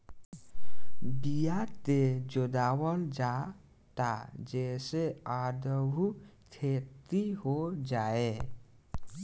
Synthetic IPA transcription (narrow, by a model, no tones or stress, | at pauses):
bijat̪ed͡ʒod̪awəld͡ʒa | t̪a̰d͡ʒesead̪əbʱukʰet̪iɦod͡ʒae